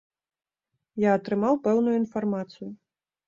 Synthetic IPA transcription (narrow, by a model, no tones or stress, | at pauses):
jaɐt̪ɾɨmawpɛwnujuin̪farmat̪sɨju